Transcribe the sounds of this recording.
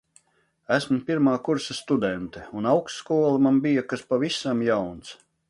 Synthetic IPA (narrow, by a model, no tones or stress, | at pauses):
æsmupʲiɾmaːkuɾsast̪ud̪ɛnt̪ɛunawksːkuɔlˠamambijakaspavisamjawnt̪s